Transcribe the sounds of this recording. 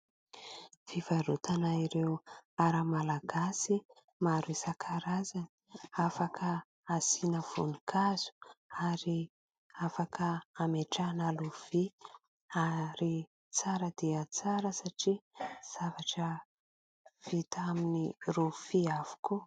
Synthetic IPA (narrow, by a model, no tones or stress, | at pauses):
fivaɾut̪anaiɾeuaɾəmalaɡasi | maɾisakʰaɾazani̥afakʰə | asinəv̥ṵnikʰaz̥u̥aɾi | afakəameʈ͡ʂanaluv̥i | aɾi | t͡saɾəd̪eət͡saɾəsaʈ͡ʂiz̥avaʈ͡ʂə | v̥it̪aminirufiavu̥ku